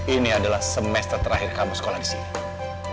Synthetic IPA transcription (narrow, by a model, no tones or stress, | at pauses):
iniadalahsəmɛst̪ərt̪əɾaɦɪrkamusə̥kolahdisini